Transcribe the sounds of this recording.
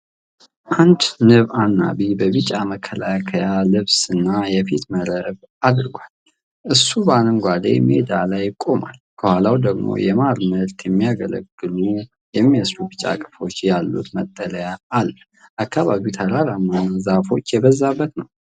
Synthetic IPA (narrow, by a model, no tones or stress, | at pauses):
ʔand̪nɨβanːa̰βibəβɨt͡ʃʼaməkʰːəlakʰəjalɨβsɨnːajɛfit̪məɾəβ | ad̪ɾɨɡʷal | ʔɨsːubaləŋɡʷad̪ḛjmḛd̪alajkʼo̞ma̰lkʰəhʷalawd̪əɡmo̰jɛmaɾməɾt̪ʰjɛmːijaɡə̰lə̰ɡːɨlu | jɛmːiəsɾubɨt͡ʃʼa̰kʼɨ̥fo̞t͡ʃːjalːṵt̪mət̪ʼːələjaːlː | ʔakʰːaβaβit̪ʰəɾalamːanazafo̞t͡ʃːjɛβəzːabːət̪nəw